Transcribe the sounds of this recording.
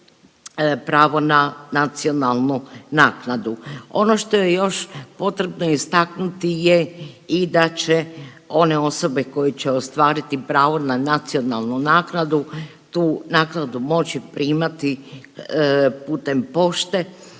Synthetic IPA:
pɾaːʋo̞nanat̪sio̞nalˠnunaːknad̪uo̞no̞ʃt̪o̞je̞jo̞ʃpo̞t̪ɾe̞bnoist̪aknut̪ijeid̪at͡ɕe | o̞ne̞o̞so̞beko̞jet͡ɕeost̪ʋaːɾit̪ipɾaːʋo̞nanat̪sio̞nalˠnunaːknad̪u | t̪uːnaːknad̪umo̞t͡ɕipɾʔiːmat̪i | puːt̪e̞mpo̞ʃt̪e̞

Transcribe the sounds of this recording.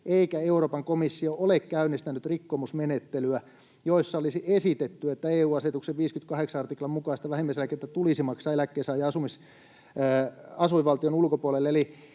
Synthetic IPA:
ʔeikæeuroːpɑŋkomisːioʔolekkæynːˑist̪ænyt̪rikːomusmenet̪ːelyæ | joisːɑolisiʔesit̪et̪ːyet̪ːæeːuːɑset̪ukseʋʋiːskyt̪kɑheksɑɑrt̪iklɑmmukɑist̪ɑʋæhimːæiselækiet̪ːæt̪ulisimɑksɑːelækːeːsɑːjɑɑsumisː | ɑsumiʋʋɑlt̪ionulkopuolelːeli

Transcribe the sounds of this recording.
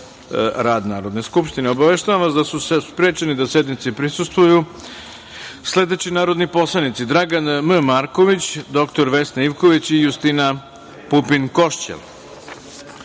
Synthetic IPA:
ɾaːd̪naːɾo̞d̪ne̞skupʃt̪ineo̞baʋe̞ʃt̪aʋamʋasd̪asusespɾe̞ːt͡ʃenid̪ase̞d̪nit̪sipɾisust̪ʋuju | sle̞d̪e̞t͡ɕinaːɾo̞d̪nipo̞slˠanit̪sid̪ɾaɡanməmaɾko̞ʋit͡ɕd̪o̞kt̪o̞ɾʋe̞snaiʋko̞ʋit͡ɕijust̪ina | pupinko̞ʃt͡ɕḛl

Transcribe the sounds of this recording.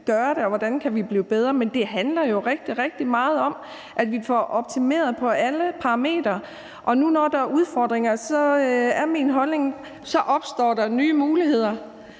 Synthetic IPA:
ɡ̥ɶːɐɾe̝ɒʋɒd̥ænkʰæʋib̥lḭːb̥eð̞ˠʁɐmend̥e̝ɦænlɐjo̝ʁeɡ̥̚d̥iʁɛɡ̥̚d̥imɑ̈ːð̞̩ˠɒ̽m | ʔæd̥ʋifɒʔɒ̽b̥̚t͡sʰime̝̰ːɐð̞̩ˠpʰɒ̽ʔæləpʰɑ̈ʁɑ̈me̝̰ːd̥ɐ | ʔɒ̽nunɒd̥ɑ̈uð̞ˠfɒ̰ːd̥ʁeŋɐsɒ̽æɐmiːnɦɒ̽lne̝ŋ | sɒ̽ʔɒ̽b̥sd̥ɒ̰ːɾ̥ɑ̈nyːmuːliɦe̝ð̞̰ˠɐ

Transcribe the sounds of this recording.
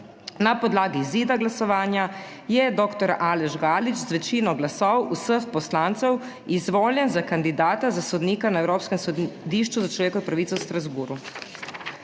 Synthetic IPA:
napɔd̪laːɡiziːd̪aɡlasɔʋaːnja | jɛd̪oːkt̪ɔɾaːlɛʒɡaːlit͡ʃzʋɛt͡ʃiːnɔɡlasɔwusəxpɔslaːnt̪sɛw | izʋoːljɛnzakand̪id̪aːt̪azasɔd̪niːkanaɛwɾoːpskɛmsɔd̪iːʃt͡ʃuzat͡ʃlɔʋeːkɔpɾaʋit̪sɛwst̪ɾazbuːɾu

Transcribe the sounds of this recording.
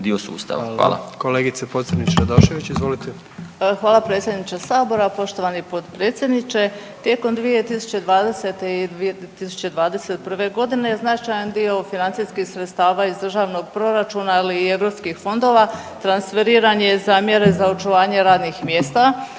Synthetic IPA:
d̪io̞sṵːst̪a̰ʋʋa̰ːlˠa̰koleːɡit̪sepod̪zed̪nit͡ʃad̪oʃeʋit͡ɕizʋolit̪e | xʋaːlˠapɾe̞ːt̪sʲje̞d̪nit͡ɕasaːbo̞ɾapo̞ʃt̪o̞ʋanipod̪pɾeːt̪sʲjed̪nit͡ʃe̞t̪je̞ko̞md̪ʋije̞t̪isu̥t͡ɕe̞d̪ʋaːd̪e̞se̞t̪e̞id̪iet̪isu̥t͡ɕe̞d̪ʋaːd̪e̞se̞t̪̚pr̩ʋe̞ɡo̞d̪ineznat͡ʃajand̪io̞finansiskixsɾet̪st̪aːʋaizd̪r̩ʒaːʋno̞ɡpɾo̞ɾat͡ʃunailiːe̞ʋɾo̞pskixfo̞nd̪o̞ʋa | t̪ɾansfe̞ɾiːɾaɲe̞zamje̞ɾe̞zaot͡ʃuʋaːɲe̞ɾaːd̪nixmjeːst̪a

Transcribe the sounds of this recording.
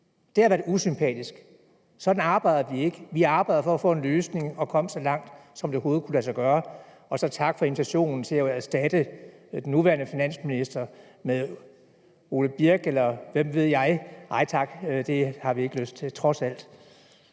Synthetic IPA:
d̥e̝hɑʋæɐdusympʰɛ̰ːd̥isɡ̥ | sɒ̽d̥n̩ɑ̈ːb̥ɑ̈ɪð̥ˠɐʋie̝ɡ̥əʋiɑ̈ːb̥ɑ̈ɪ̰ðˠfɒ̽æfɔ̰̽ːe̝nløːsne̝ŋɒ̽kʰɒ̽m̰əsɒ̽lɑ̈ŋ̰d̥sɒ̽md̥e̝ɦo̝ːð̞̩ˠkʰulæs̬ɑɡ̥ɶːɐ | ɒ̽sɒ̽t͡sʰɑ̈ɡ̥fɒi̝nit͡sʰæɕo̝̰ːnn̩t͡sʰe̝læsd̥æd̥əd̥enːuʋæːɐnəfinæn̰sminisd̥ɐ | meðˠ | o̝ːləb̥iɐɡ̥elɐʋem̰ʋe̝ð̞̰ˠjɑ̈ɪɑ̈ɪ̰t͡sʰɑ̈ɡ̥d̥e̝hɑ̈ʋie̝ɡ̥əløsd̥̚t͡sʰe̝t͡sʰʁɒ̽sæl̰d̥

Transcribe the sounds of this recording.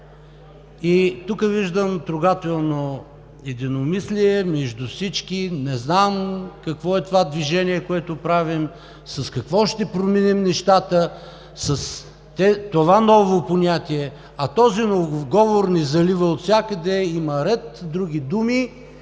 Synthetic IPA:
it̪ukəviʒd̪əmt̪ɾʊɡat̪ɛlˠno | ɛd̪inomisliɛmɛʒd̪ufsit͡ʃkinɛznamkɐkvɔɛt̪ovad̪viʒɛniɛkoɛt̪opɾavim | sɐskɐkvɔʃt̪ɛpɾominimnɛʃt̪at̪ə | sɐs | t̪ɛt̪ovanɔvoponʲat̪iɛ | ɐt̪ɔzinovɡɔvoɾnɛzɐlivəot̪sʲjakəd̪ɛimɐɾɛt̪d̪ɾuɡʲid̪umi

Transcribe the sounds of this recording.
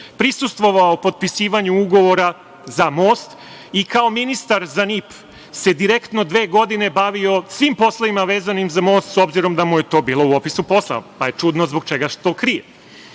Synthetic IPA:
pɾisust̪ʋo̞ʋaopo̞d̪̚pisiːʋaɲuuɡo̞ʋo̞ɾa | zamo̞ːst̪ | ikao̞minist̪aɾzanip | se̞d̪iɾe̞kt̪no̞d̪ʋe̞ːɡo̞d̪ine̞baʋio̞sʋimpo̞slˠaʋimaʋe̞ːzanimzamo̞ːst̪so̞bziɾo̞md̪amujet̪o̞ːbiːlˠo̞uo̞pisupo̞slˠa̰paje̞t͡ʃud̪nozbo̞ɡt͡ʃe̞ɡaʃt̪o̞kɾije

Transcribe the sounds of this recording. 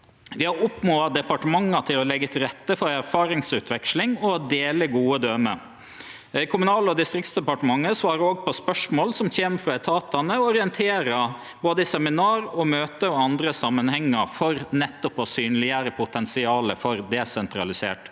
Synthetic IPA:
ʋɪhɑɾʊpnoːɑd̪ɛpɑʈəmɑŋːɑt̪ʰɪlɔlɛɡːət̪ʰɾɛt̪ːəfɔɾæɾfɑːɾɪŋsʉːt̪ʰʋɛkʃlɪŋɔd̪eːləɡuːəd̪øːmə | kʰʊmʉnɑːləɔd̪ɪst̪ɾɪkt̪sd̪ɛpɑʈəmɑŋːəsʋɑːɾəoːɡpʰɔspœʂmoːlsɔmçeːmfɾɑɛt̪ʰɑːt̪ɑnəɔɔɾɪɛnt̪ʰeːɾə | boːd̪əsɛmɪnɑːɾɔmøːt̪əɔɑnd̪ɾəsɑmːənhɛŋːəɾfɔɾnɛt̪ːɔpɔsyːnlɪəɾəpʰʊt̪ʰɛnsɪɑːləfɔɾd̪ɛsɛnt̪ɾɑlɪsḛːʈ

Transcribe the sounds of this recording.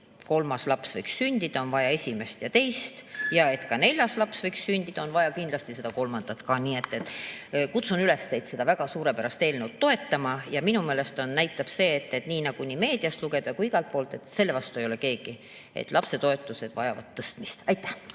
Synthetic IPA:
ko̞lmɑslɑpsvɤ̰jkssynʲd̪̥id̪̥ɑonvɑjɑe̞sʲime̞st̪jɑt̪e̞jst̪jɑe̞t̪kɑne̞lʲjɑslɑpsvɤjkssynʲd̪̥id̪̥ɑo̞nvɑjɑkind̪lɑst̪ise̞d̪̥ɑko̞lmɑnd̪̥ɑt̪kɑniːe̞t̪ːˑet̪ːˑkut̪sunyle̞st̪e̞jd̪se̞d̪̥ɑvæɡ̥ɑsuːɾe̞pæɾɑst̪e̞ːlnewt̪ːo̞e̞t̪ːɑmɑjɑminume̞ːle̞st̪o̞nnæjt̪ˑːɑb̥se̞ːt̪ːe̞t̪niːnɑɡ̥uniːme̞ːd̪̥iɑst̪luɡe̞d̪̥ɑkuiɡ̥ɑlt̪̚po̞ːlt̪ˑe̞t̪se̞lːe̞vɑst̪uejo̞le̞ke̞ːɡ̥i | ḛt̪ːlɑpse̞t̪o̞e̞t̪ːˑuse̞d̪̥vɑjɑ̰vɑ̰d̪̥̚t̪ːɤst̪mist̪ɑjt̪ːˑæh

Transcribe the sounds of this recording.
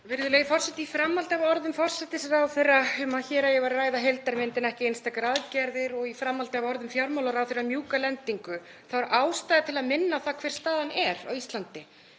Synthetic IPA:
vɛɾðʏleːjɣfɔr̥sɛt̪iifɾamːalt̪ɪavɔɾðʏmfɔr̥sɛt̪ɪsaɾawθejraʏmaðçɛːɾajɛvaɾaːjðaɦejlt̪aɾmɪnt̪ɪnɛhcɪejnst̪akɾaðcɛɾðɪɾɔɣifɾamːalt̪ɪavɔɾðʏmfjawɾmawlaɾawfθeɾrːamjuːkalɛnt̪iŋkʏ | θaaɾʔaːwst̪ajðat̪ʰɪlaðmɪnːaθakʰv̥ɛr̥st̪aːðanɛɾa̰wist̪lant̪ɪ

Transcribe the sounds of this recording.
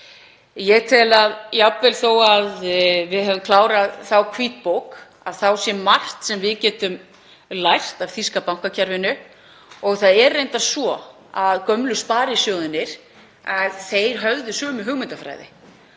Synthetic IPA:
jɛɣt̪ʰɪlaðjapvɛlθowaðvɪðhɛvʏmkʰlaːwɾaðθawkʰviːt̪̚powk | av̥θawsjɛmar̥t̪sɛmvɪðcɛːt̪ʏm | lajr̥t̪avθiskapawŋ̥kacʰaɾvɪnʏ | ɔɣθaðɛrːejnt̪asvɔ | aðkœmlʏspaːɾɪsjɔːwðɪnːɪɾ̥ | aðθejɾ̥ɦœvðʏsœːmʏɦʏɣmɪnt̪afɾa̰jðɪ̰

